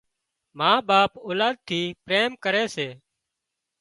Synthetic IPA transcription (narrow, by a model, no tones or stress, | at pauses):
mãːɓaːpoːlaːd̪̚t̪ʰiːpɾeːmkəɾeːseː